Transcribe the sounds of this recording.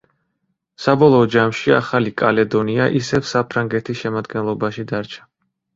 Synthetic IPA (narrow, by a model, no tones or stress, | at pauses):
sabɔlˠɔːd͡ʒamʃia̰χalikʼalɛd̪ɔniaʔisɛfsapʰɾaŋɡɛt̪ʰisʃɛmad̪ɡɛnlˠɔbaʃid̪aɾt͡ʃʰḁ